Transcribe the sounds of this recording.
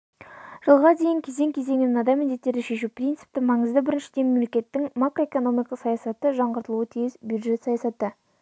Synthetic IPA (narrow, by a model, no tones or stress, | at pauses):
ʒ̥əlˠʁɑd̪e̞jɪŋkʲʰe̞ze̞ŋkʲʰeze̞ŋɪnɪnɑd̪ɑjmɪnd̪e̞t̪ːe̞ɾd̪ɪʃe̞ʃupʰrint̪sɨ̥p̚t̪ɪmɑɴəzd̪əbɪɾɪnʃɪd̪e̞nmemlekʲe̞t̪ːɪŋmakɾʔo̞eko̞no̞mijkɑsɑjɑsɑt̪əʒɑɴʁəɾt̪əlˠuwət̪ʰijɪzbjud̪ʒe̞t̪sɑjɑsɑt̪ə